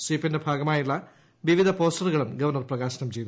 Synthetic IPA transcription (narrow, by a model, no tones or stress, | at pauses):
sipːindebʱaːɡɐmaːjuɭːɐ | ʋiʋid̪ʱɐpo̞ːstɐruɣɐɭumɡɐʋɐrnɐrprɐɣaːɕɐnɐmt͡ɕe̞jt̪